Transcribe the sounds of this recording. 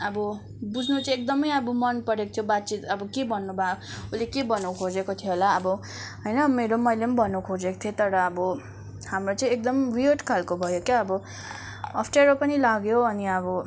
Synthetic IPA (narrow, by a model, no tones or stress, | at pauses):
ʌbʌ | bud͡zʱnut͡sãek̚d̪ʌmʌjʌbʌmʌnpʌɾekot̪ʰjobat̪ːt͡sit̪ʌbʌkebʱʌnːubʱaoulekebʌnõkʰod͡zekot̪ʰijeɦolaʌbʌ | ɦʌjnʌmeɾomʌjlenbʱʌnukʰod͡zeko̥t̪ʰjet̪ʌɾʌːbʌ | hamrot͡saĩek̚d̪ʌmrioʈkʰalkobʱʌjokjaʌbʌ | ʌpʰʈeɾopʌnilaɡjoʌniʌbʌ